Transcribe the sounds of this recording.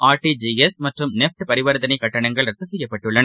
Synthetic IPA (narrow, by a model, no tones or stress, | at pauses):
ʔaːɾʈid͡ʒiɛsmɐʈrɯmnɛfʈɯpɐɾɪʋɐɾðɐnɐɪkːɐʈːɐɳɐŋɡɐɭɾɐt̪ːɐsɛjːɐpːɐʈːɯɭːɐn